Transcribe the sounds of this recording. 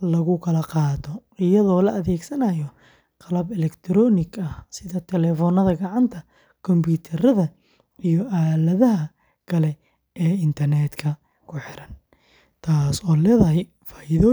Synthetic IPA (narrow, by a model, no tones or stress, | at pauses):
lɐɣʊkʰɐlɐqɑːt̪ʰɔɪjɐðɔːlɐʔɐðɛːɡsɐnɐjɔ | qɑlɐbɛlɛkt̪ʰɾɔːnɪɡɐhsɪðɐt̪ʰɛlɛːfɔnɐðɐɡɑʕɑnt̪ʰɐ | kʰɔmbuːt̪ʰɐrɐðɐ | ijɔʔaːlɐðɐɦɐ | ɡ̥ɐlɛ | ɛːɪnt̪ʰɐrnɛːd̪kʰɐ | kʰʊħɪɾɐn | t̪ʰaːsɔːlɛːðɐɦɛ | faːɪðɔː